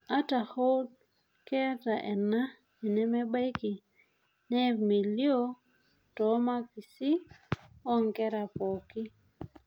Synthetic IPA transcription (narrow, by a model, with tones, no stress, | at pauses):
a˦ta˨ho˦d̚ | kɛ˦a˦ta˨ʔɛ˨na˦ | i˨nɛ˦mɛ˦ba˦jki˨ | nɛ˦mi˨ljo˦ | tɔ˨˦ma˦ki˨si˦ | ɔ˦ŋkɛ˦ɾa˨pɔ˨ki˦